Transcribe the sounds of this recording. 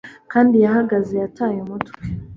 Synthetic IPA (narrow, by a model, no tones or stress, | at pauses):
kaːndijaɦaɡazejatʰaːjumotke